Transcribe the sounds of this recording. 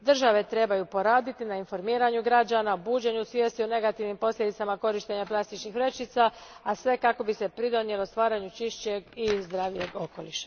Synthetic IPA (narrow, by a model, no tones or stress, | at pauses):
d̪r̩ʒaʋe̞t̪ɾe̞bajupo̞ɾaːd̪it̪inainfo̞ɾmiːɾaɲuɡɾad͡ʒanaobuːd͡ʑe̞ɲusʋjest̪ione̞ɡat̪iʋnimpo̞slʎʲje̞d̪it̪samako̞ɾiʃt̪e̞ɲaplˠast̪it͡ʃnixʋɾet͡ʃit̪saasʋe̞kako̞bise̞pɾid̪o̞nje̞lo̞st̪ʋaːɾaɲut͡ʃiʃt͡ɕeɡizd̪ɾaːʋije̞ɡo̞ko̞liʃḁ